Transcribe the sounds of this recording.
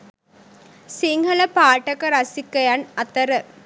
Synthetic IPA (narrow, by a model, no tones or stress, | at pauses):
siŋɡɐlɐpaːʈɐkɐɾasikːɐjanɐt̪ɐɾə